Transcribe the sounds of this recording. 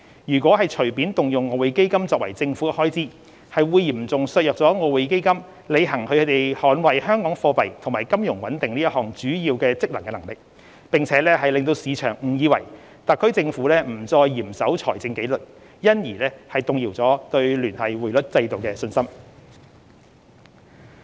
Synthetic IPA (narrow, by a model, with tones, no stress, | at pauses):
jyː˨˩kwɔː˨˥ɦɐ˨jt͡ʃʰɵ˨˩ɥpiː˨˥nt̪ʊ˨ŋjʊ˨ŋːɔː˨˧we˨˧jke˥jkɐ˥mt͡sɔː˨k̚wɐ̰˨˩jt͡sɪ˧ŋfu˨˥ɛ˧hɔː˥jt͡siː˥ | hɐ˨jwuː˨˧jjiː˨˩mt͡sʊ˨ŋsœː˨jœː˨k̚t͡sɔː˨˥ŋɔː˨˧we˨˧jke˥jkɐ˥m | le˨˧jɦɐ˨˩ŋkʰɵ˧kʰɵ˨˧˥t̪e˨˩jhɔː˨˥nwɐ˨˩jhœː˥ŋkɔː˨˥ŋfɔː˧pɐ˨jt̪ʰʊ˨˩ŋmaː˨˩jkɐ˥mjʊ˨˩ŋwɐ̰˨˥nt̪ɪ˨ŋniː˥jɐ˥t̚ɦɔː˨˩ŋt͡syː˨˥jiː˧wkɛː˧t͡sɪ˥k̚lɐ˨˩ŋkɛ˧nɐ˨˩ŋlɪ˨˩k̚ | pɪ˨˩ŋt͡sʰɛː˨˥lɛː˥ɦɐ˨jlɪ˨˧ŋt̪̬o˧wsiː˨˧t͡ʃʰœː˨˩ŋm̩˨˩jiː˨˧˥wɐ˨˩j | t̪ɐ˨kʰːɵ˥ɥt͡sɪ˧ŋfuː˨˥lɛː˥m̩˨˩t͡sɔː˧jːiː˨˩msɐ˨˥wt͡sʰɔː˨˩jt͡sɪ˧ŋke˨˥jlɵ˨t̚ | jɐ˥njiː˨˩lɛː˥hɐ˨jt̪ʊ˨ŋjiː˨˩wt͡sɔː˨˥t̪ɵ˧ɥlyː˨˩nhɐ˨jwuː˨˩jlɵ˥t̚t͡sɐ˧jt̪o˨wkɛː˧sɵ˧nsɐ˥m